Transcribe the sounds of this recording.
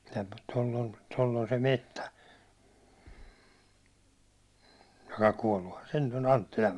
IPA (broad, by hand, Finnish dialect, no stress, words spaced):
jɑ tolː on tolː on se metːæ jokɑ kuɒlːuhɑn se nyt on ɑntːilɑʋ